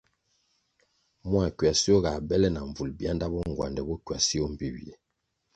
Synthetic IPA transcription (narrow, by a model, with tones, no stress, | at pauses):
mwa˨kɥwa˨si˦ɔ˦ɣa˨bɛ˦lɛ˦na˨ɱ˨vu˨lbja˦nda˦bɔ˦ŋ˨ɡwa̰˨ndɛ˨bɔ˦kɥa˨si˦ɔ˦m̩˨pi˦bḭ˨ḛ˨